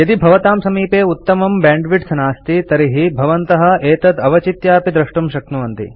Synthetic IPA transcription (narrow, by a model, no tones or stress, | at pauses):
jɐd̪ibʱɐʋɐt̪aːmsɐmiːpeːut̪ːɐmɐmbaːɳɖʋiʈsɐnaːst̪it̪ɐɾiɦibʱɐʋɐnt̪ɐɦɐ̆eːt̪ɐd̪ɐʋɐt͡ʃit̪jaːpid̪ɾɐʂʈumʃɐk̚nuʋɐnt̪ḭ